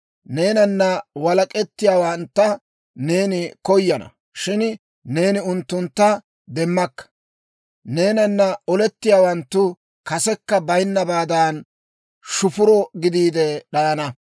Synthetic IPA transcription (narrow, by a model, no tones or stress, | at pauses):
ne̞ːnɐnːɐwɐlɐkʼɛt̪ːɪjaːwɐnt̪ːɐ | ne̞ːnɪkɔjːɐnɐ̰ | ʃɪn | ne̞ːnɪʊnt̪ːʊnt̪ːɐ | d̪ɛmːɐkːɐ̥ | ne̞ːnɐnːɐɔlɛt̪ːɪjaːwɐnt̪ːʊ | kɐsɛkːɐbɐjnːɐbaːd̪aːn | ʃʊfʊɾɔɡɪd̪iːd̪ɛɗɐʔɐnɐ